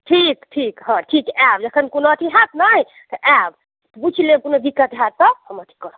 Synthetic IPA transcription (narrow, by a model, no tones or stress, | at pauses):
ʈʰikʈʰikɦə̃ʈʰikɛbd͡ʒəkʰənkonoət̪ʰiɦat̪naɦi | t̪ɔʔɛb | t̪but͡ʃʰilekonob̪ikːət̪ɦad̪̚t̪ɔhəmət̪ʰi̥kɔɾə